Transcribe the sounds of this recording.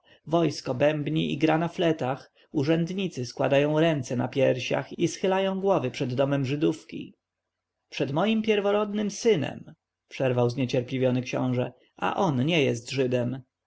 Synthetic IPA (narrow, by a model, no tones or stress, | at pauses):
vɔjskɔbɛmbɲiḭɡɾanaflɛt̪ax | uʐɛnd̪ɲit̪sɘskwa̰d̪ajɔ̃w̃ɾɛnt̪sɛna̰pʲjɛɾɕa̰xisxɘlajɔ̃w̃ɡwɔvɘpʂɛd̪ːɔmɛmʐɘd̪ufkʲḭ | pʂɛd̪mɔjimpʲjɛɾvɔɾɔd̪nɘmsɘnɛ̰m | pʂɛɾvawzɲɛt͡ɕɛɾplʲivʲjɔnɘkɕɔ̰̃w̃ʐɛ | ʔa̰ʔɔnɲɛjɛst̪ʐɘd̪ɛm